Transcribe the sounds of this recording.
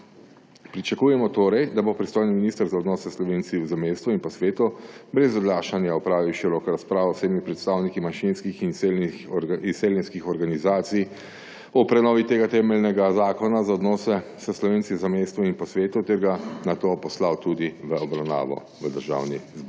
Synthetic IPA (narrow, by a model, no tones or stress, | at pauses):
pɾit͡ʃakuːjɛmɔt̪oːɾɛjd̪abopɾist̪oːjniminist̪əɾzaɔd̪nɔːsɛslɔʋent̪siwzameːst̪ʋuinpɔsʋeːt̪ubɾɛzɔɡlaːʃanjaɔpɾaːʋiwʃiɾɔkɾaspɾaːʋɔseːdmipɾɛt̪st̪aːwnikimaʃinskixinselxiseljɛnskixɔɾɡanizaːt̪sij | ɔpɾɛnɔːʋit̪eːɡat̪ɛːmɛlnɛɡazaːkɔnazaɔd̪nɔːsɛsəslɔʋeːntsizameːst̪ʋuinpɔsʋeːt̪ut̪ɛɾɡanat̪oːpɔslawt̪ud̪iʋəɔbɾawna̰ːʋɔ̰ | ʋəd̪əɾʒa̰ːwnizbuɾ